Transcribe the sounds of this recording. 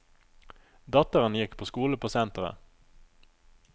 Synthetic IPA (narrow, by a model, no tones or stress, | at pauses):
d̪ɑt̪əʁənjɪkpʰoːskuːləpʰoːsɛnt̪ʁə̰